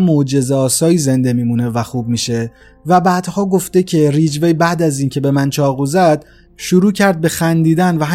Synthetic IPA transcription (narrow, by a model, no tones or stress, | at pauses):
mod͡ʒe̞zɒːsɒːjiːze̞nd̪e̞miːmuːne̞væxuːb̚miːʃe̞ | væbæːd̪̥hɒːɡo̞ft̪e̞cʰe̞riːd͡ʒvejbæd̪æziːncʰe̞be̞mænt͡ʃʰɒːɣuzæd̪̥ | ʃuɾuːcʰæɾd̪̚be̞xænd̪iːd̪ænvæɦ